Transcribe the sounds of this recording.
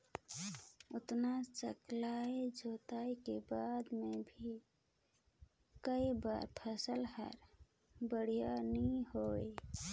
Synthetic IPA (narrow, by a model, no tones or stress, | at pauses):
ʊt̪nat͡ʃə̰klaed͡ʒʱoːt̪aekebad̪mebʱi | kəiba̰ɾpʰəsəlɦə̰ɾ | bəɽ̤ijaniɦoe